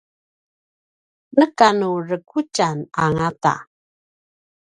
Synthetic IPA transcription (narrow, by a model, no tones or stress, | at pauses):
nəkanurəkut͡ʃanaŋata̰